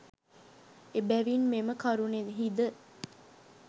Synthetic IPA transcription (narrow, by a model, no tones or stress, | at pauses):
ebæʋinmeməkaɾunenɦid̪ə